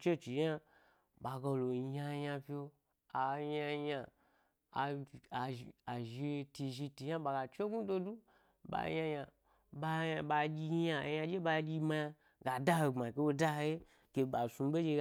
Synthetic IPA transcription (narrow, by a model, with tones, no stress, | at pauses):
t͡ʃe˦t͡ʃi˨˦a˦ | ɓa˨ɡa˧lo˨˧ja˧ja˧pʲi˦o˧ | a˨ja˧ja˨ | a˨a˨ʒi˧ti˧ʒi˧ti˧˦a˦ɓa˨ɡa˨t͡ʃe˦ɡu˦do˧du˦ | ba̰˨ja˧ja˧ | ba˧a˧ɓa˧d͡ʒʲi˧˦a˧˨˦ja˧d͡ʒe˦ba˧˦d͡ʒʲi˧ma˧ja˧ | ɡa˨da˦he˧ŋ͡mma˨ke˧wo˧da˦he˧˦ | ke˧ba˨su˧˦be˦d͡ʒe˧